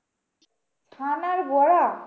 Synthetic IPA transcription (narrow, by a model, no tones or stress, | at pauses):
sʰanaɾɡɔɽa